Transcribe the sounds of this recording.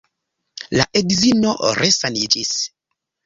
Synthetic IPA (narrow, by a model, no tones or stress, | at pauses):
laʔedizinoɾesanid͡ʒis